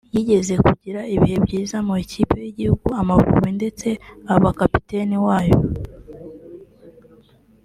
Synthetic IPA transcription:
jiɟe̞ze̞kuɟiɾaiβihe̞bɟiːzamuecʰiːpejiɟihuɡuamavṵβinde̞t͡se̞aβakapi̥te̞niwaːjo̞

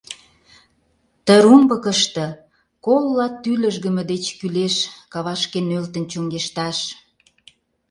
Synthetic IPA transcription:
t̪əɾumbə̆kəʃt̪ə̆ | kolːɑt̪ːylə̆ʒɣə̆mə̆d̪et͡ɕkyleʃkɑβɑʃkenølt̪ə̆nt͡ɕoŋɡeʃt̪ɑʃ

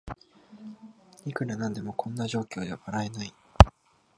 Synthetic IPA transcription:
ikɯ̟ɾanãnd̪e̞mo̞kʰõ̞nːaʑo̞ːkʲo̞ːd̪e̞aβaɾae̞nai

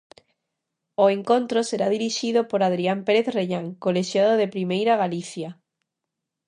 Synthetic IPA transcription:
oeŋkont̪ɾoseɾaðiɾiʃiðopoɾað̞ɾiampeɾeθreʎaŋkoleʃjaðoðepɾimejɾaɣaliθja

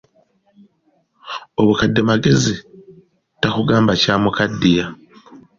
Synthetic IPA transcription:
o̞βukadːemaɡe̞zi | takuɡaːmbacaːmukadːija

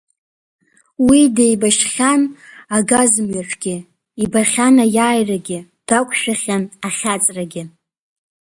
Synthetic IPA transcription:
widejbaʃχʲanaɡazmɥaʈ͡ʂʰɡʲɪ | ibaχʲanajaːjraɡʲɪ | d̥akʷʰʼʃᶣaχʲanaχʲat͡sʼraɡʲɪ

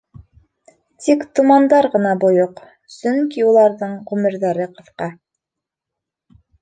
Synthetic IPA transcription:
t̪ikt̪umɑnd̪ɑɾʁɤ̆nɑbujoq | sɵŋkiulˠɑɾðɤɴʁʉmɘ̆ɾðæɾɘqɤ̆θqɑ

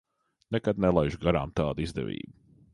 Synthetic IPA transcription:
nɛkad̪̚nɛlˠajʒɡaɾa̰ːmt̪aːd̪izd̪ɛ̰ʋʲḭːbu

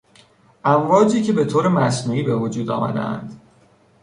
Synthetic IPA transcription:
ʔæmvɒːd͡ʒiːcʰe̞be̞t̪ʰoːɾemæsnuːiːbe̞vod͡ʒuːd̪ɒ̰ːmæ̰d̪ḛæ̰nd̪̥

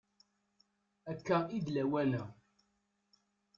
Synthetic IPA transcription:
ækːæid̪læwænæ

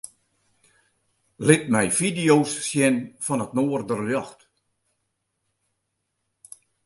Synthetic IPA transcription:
lɪt̚mɛjfidijowsːjɛnfɔnətnoːərdərljɔxt

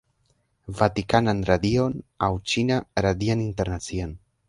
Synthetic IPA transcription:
vat̪ikananɾad̪ionawt͡ʃinaɾad̪ianint̪eɾnat͡sian

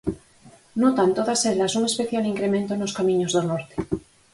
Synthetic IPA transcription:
not̪ant̪oðaseðlasuŋe̞speθjaliŋkɾemẽnt̪onoskamĩɲozðonoɾt̪e̥

